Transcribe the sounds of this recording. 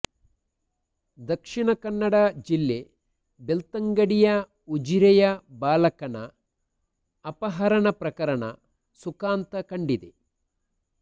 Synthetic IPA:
d̪ɐkʂiɳɐkɐnːɐɽɐd͡ʒilːe | belt̪ɐŋɡɐɽijɐ | ud͡ʒiɾɐjɐbaːlɐkɐnɐ | pɐɦɐɾɐɳɐpɾɐkɐɾɐɳɐ̰ | sukaːnt̪ɐkɐɳɖid̪e

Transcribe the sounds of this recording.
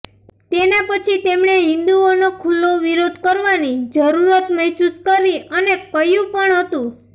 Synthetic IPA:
t̪enepət͡ʃʰit̪emɳeɦɪ̃nd̪uonokʰulːoʋiɾod̪ʱkəɾʋanid͡ʒəɾuɾət̪mɛɦsuskəɾiʔənekəjũpəɳɦət̪ũ

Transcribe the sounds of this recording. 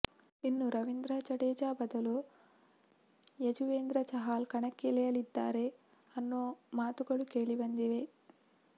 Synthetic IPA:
inːuɾɐʋind̪ɾɐt͡ʃɐɽeːd͡ʒaːbɐd̪ɐloː | jɐd͡ʒuʋeːnd̪ɾɐt͡ʃɐɦaːlkɐɳɐkːilɛjɐlid̪ːa̰ːɾe | ɐnːoːmaːt̪uɡɐlukeːɭiʋɐnd̪iʋeː

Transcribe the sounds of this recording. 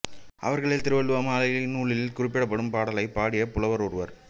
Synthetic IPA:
ʔɐ̰ʋɐɾɣɐɭɪlt̪ɪɾɯʋɐɭɯʋɐmaːlɐjɐɭɪnuːɭɪlɪlkʊrɪpːɪɽɐp̬ːɐɽɯmpaːɽɐlɐɪpaːɽɪjɐpʊlɐʋɐɾɔɾɯʋɐɾ

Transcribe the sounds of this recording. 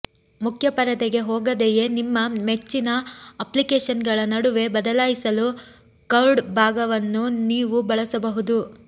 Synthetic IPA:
mukʰjɐpɐɾɐt̪eɡe̞ɦoːɡɐd̪eje̞nimːɐmet͡ʃːinɐɐplikeːʂɐnɡɐɭɐnɐɽuʋe̞bɐd̪ɐlaːjisɐlu | kɐɾɖbʱaːɡɐʋɐnːuniːʋubɐɭɐsɐbɐɦud̪u

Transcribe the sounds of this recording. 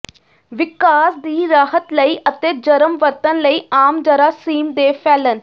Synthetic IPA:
ʋɪkaːsd̪iːɾaːɦət̪ləiːʔət̪eːd͡ʒəɾəmʋət̪ənləiːaːmd͡ʒəɾaːsiːmd̪eːpʰɛːlən

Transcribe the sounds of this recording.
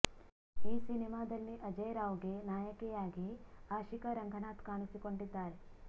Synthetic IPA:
iːsinimaːd̪ɐlːiʔɐd͡ʒɐjɾaːʋɡenaːjɐkɛjaːɡiaːʃikɐɾɐŋɡʱɐnaːt̪kaːnisiko̞ɳɖid̪ːaːɾe

